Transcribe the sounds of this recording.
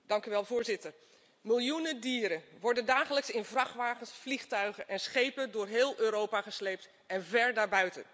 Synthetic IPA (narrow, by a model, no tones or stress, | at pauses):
d̥ɑŋkyʋɛlˠvʊːɹzɪtəɹ | mɪlˠjunədiːɾənʋɔɹdəndaːχələksɪnvrɑχʋaːχənsfliχtœɥχəʔɛnsχejpədʊːɹɦɪːlˠʔøːɾowpaχəslejp̚t | ɛnvɛɹdaːɹbœɥtə̰